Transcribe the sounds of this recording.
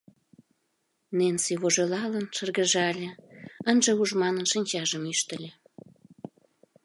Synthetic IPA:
nensiβoʒelɑlənʃərɣə̆ʒɑlʲĕənʒeuʒmɑnənʃənʲt͡ɕɑʒəmyʃt̪ə̆lʲe

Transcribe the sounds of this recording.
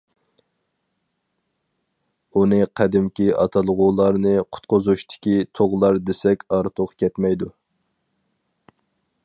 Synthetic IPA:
unɨqʰæd̪ɪmkʲiɑt̪ʰɑlˠʁulˠɑɾnɨqʰʊ̥t̪̚qʊzuʃt̪ʰɪ̥kʲit̪ʰoʁlˠɑɾd̪esɛkʲɑɾt̪ʰoqkʲɛt̪mɛjd̪u

